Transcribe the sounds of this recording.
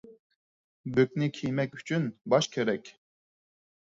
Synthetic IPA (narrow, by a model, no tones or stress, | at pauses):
bøk̚ʲnikʲʰijmɛkʲy̥t͡ʃʰynbɑʃkʲʰeɾɛkʲ